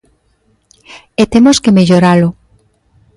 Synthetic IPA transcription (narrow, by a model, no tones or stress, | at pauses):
et̪emoskemeʎoɾalo